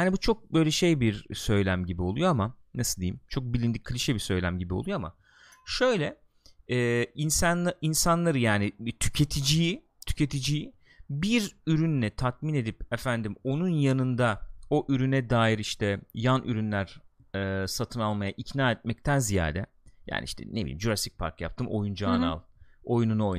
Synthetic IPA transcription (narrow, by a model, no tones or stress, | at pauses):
hanibut͡ʃʰo̞k̚bø̞jlʲɛʃe̞jbiɾsø̞jlʲæmɟibio̞lˠujo̞amanasɯlˠd̪ejimt͡ʃʰo̞k̚bilʲind̪ikʰːlʲiʃɛbisø̞jlʲæ̰mɟibiolˠujo̞ama̰ | ʃø̞jlʲɛ | ɛːinsanainsanlˠaɾɯjaːnit̪ʰy̥cʰe̞t̪ʰid͡ʒiji | t̪ʰy̥cʰe̞t̪ʰid͡ʒiji | biɾyɾynlʲɛt̪ʰat̪̚mine̞d̪ipefænd̪imo̞nunjanɯnd̪ao̞ʔyɾynɛd̪aːjiɾiʃt̪ʰɛjanʔyɾynlʲæɾ̥ | ɛːsat̪ʰɯnalˠmajaʔicnaːɛt̪̚mɛc̚t̪ʰænzija̰ːd̪ɛ | ja̰ːniiʃt̪ʰɛ̰nebḭimd͡ʒuɾast̪i̥c̚pʰa̰ɾkja̰p̚t̪ʰɯmʔo̞̰jund͡ʒaːna̰lˠo̞jununuo̞j